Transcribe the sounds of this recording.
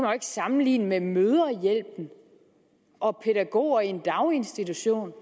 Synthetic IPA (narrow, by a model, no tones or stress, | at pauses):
mɐe̝ɡ̥əsɑ̈mn̩lḭːnəmemøːð̞ˠɐjel̰b̥n̩ | ʔɒ̽pʰe̝ɾ̥æɡ̥o̝̰ːɐiend̥ɑ̈ʊe̝nsd̥it͡sʰuɕo̝̰ːn